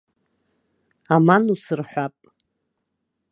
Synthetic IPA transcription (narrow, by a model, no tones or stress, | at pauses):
amanusɨrħʷapʼ